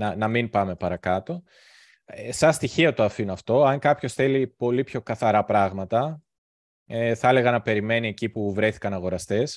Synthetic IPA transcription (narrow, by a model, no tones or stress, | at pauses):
nɐnɐmimpɐme̞pɐɾɐkɐt̪o̞ | sɐst̪içiɐt̪oɐfinoɐft̪o̞ɐŋkɐpço̞sθe̞lipo̞lipço̞kɐθɐɾɐpɾɐɣmɐt̪ɐ | eθɐele̞ɣɐnɐpe̞ɾime̞nie̞cipuvɾe̞θi̥kɐnɐɣo̞ɾɐst̪e̞s